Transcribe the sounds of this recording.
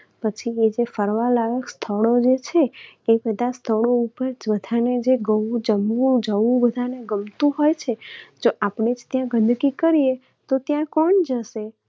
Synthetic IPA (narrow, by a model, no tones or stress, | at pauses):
pət͡ʃʰied͡ʒefəɾʋalaɾəkst̪ʰəɭod͡ʒet͡ʃʰeːpɛd̪ast̪ʰəɭoupəɾd͡ʒbəd̪ʱaned͡ʒeɡəwud͡ʒəmːũd͡ʒəũbəd̪ʱaneɡəmt̪ũɦojt͡ʃʰed͡ʒoʔapɳed͡ʒt̪jãɡə̃nd̪ɡikəɾie | t̪ot̪jãkɔɳd͡ʒəʃe